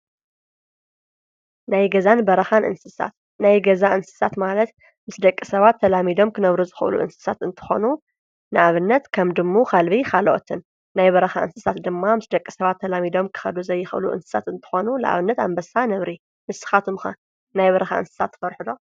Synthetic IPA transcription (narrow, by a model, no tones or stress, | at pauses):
najɡɐzanbɐɾɐxanʔɨ̰nsɨsa̰t̪ | najɡɐzaʔɨnsɨ̥sat̪malɐt̪ | mɨsd̪ɐkʼːisɐβat̪ʰːɐlamid̪o̞mkʰɨnɐβɾuzɨxʔɨ̰lṵʔɨ̰nsɨ̥sat̪ɨnt̪ʰɨ̥xo̞̰nu | nɨʔaβɨnːɐt̪kʰɐmd̪ɨmːokʰalβikʰalʔo̰t̪ʰɨnː | ajβɐɾɐxa̰ʔɨ̰nsɨsat̪d̪ɨmːamɨsd̪ɐkʼːisɐβat̪ʰːɐlamid̪o̞mkʰɨ̥xɐd̪uzɐjːɪxʔɨ̰lṵʔɨ̰nsɨ̥sa̰t̪ɨnt̪ʰɨ̥xo̞nunɨʔa̰βɨnːɐt̪a̰mbɐsanɐβɾi | mɨsɨ̥xat̪ʰɨmxa̰ | najβɐɾɐxa̰ʔɨ̰nsɨ̥sat̪ːfɐɾħud̪o̞